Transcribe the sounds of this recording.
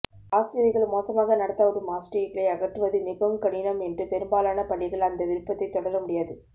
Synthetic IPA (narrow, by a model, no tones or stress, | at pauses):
aːsɪjɐʋɪɣɐɭmoːsɐmaːɣɐnɐɽɐt̪ːɐɔɾɯmaːsʈɐɪkɐlɐɪɐɣɐʈːɯʋɐðɯmɪɣɐmkɐɳɪnɐmɛndrɯpɛɾɯmbaːlaːnɐpɐɽɪɣɐɭɐnd̪ɐʋɪɾɯpːɐt̪ːɐɪt̪ːɔɽɐɾɐmʊɽɪjaːðɯ